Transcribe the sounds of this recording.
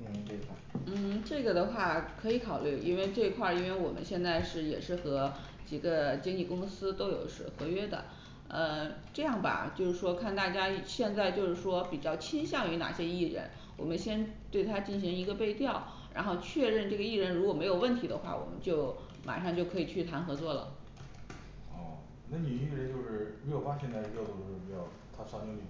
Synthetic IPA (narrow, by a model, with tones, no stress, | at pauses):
n̩˥˩ʈ͡ʂɤ˥˩ɡə˩d̪ə˩xwa˥˩kʰɤ˧˥i˨˧˥kʰɑ˨˩ʊly˥˩ḭ˥nwe˥˧ɪʈ͡ʂɤ˥˩i˧˥kʰwa˥˩i˥nwe˥˩ɪwɔ̰˨˩mə̰˦nɕjɛ˥˧nt͡sa˥˧ɪʂɻ̩˥˩jɛ̰˨˩ʂɻ̩˥˩xɤ˧˥ | t͡ɕi˨˩ɡə˦t͡ɕi˥ŋi˥˩kʊ˥ŋsɹ̩˥t̪o˥ʊjo˨˩ʊʂɻ̩˥xɤ˧˥ɥɛ˥d̪ə̰˨ | ə˧ʈ͡ʂɤ˥˧jɑ˥˩ŋbɐ̰˨˩t͡ɕjo˥˧ʊʂɻ̩˥˩ʂwɔ˥kʰa˥˧nt̪a˥˩t͡ɕja˥ɕjɛ˥˧nt͡sa˥˧ɪt͡ɕjo˥˧ʊʂɻ̩˥˩ʂwɔ˥pi˨˩t͡ɕjɑ˥˩ʊt͡ɕʰi˥nɕjɑ˥˧ŋy˧˥na̰˨˩ɕjɛ˥i˥˩ɻə̰˥˩n | wɔ˨˩mə˦nɕjɛ˥nt̪we˥˩ɪt̪ʰa˥t͡ɕi˥˩nɕi˧˥ŋi˧˥ɡə˧pe˥˧ɪt̪jɑ˥˩ʊ | ɻa̰˧˥nxo˥˧ʊt͡ɕʰɥɛ˥˧ɻə˥˧nʈ͡ʂɤ˥˩ɡə˩i˥˩ɻə˧˥nɻu˧˥kwɔ˨˩me˧˥ɪjʊwə˥˩nt̪ʰi˧˥d̪ə̰˧xwa̰˥˩wɔ̰˨˩mə̰˦nt͡ɕjo˥˩ʊ | mʔa̰˨˩ʂɑ˥˧ŋt͡ɕjo˥˩ʊkʰɤ˧˥i˨˩t͡ɕʰy˥˩t̪ʰa˧˥nxɤ˧˥t͡swɔ˥˩lə̰˩ | ɔ˥˩ | na˥˩ni˨˩y˥˩d̪ə˨˩t͡ɕjo˥˧ʊʂɻ̩˥˩mi˧˥jo˨˩ʊfa˥ɕjɛ˥˧nt͡s̪a˥˧ɪ˥jd̪o˧˩ʊ˥ʂo˥˩pjɑ˥˩ʊ | t̪ʰa˥sʰo˧˥ŋi˧˩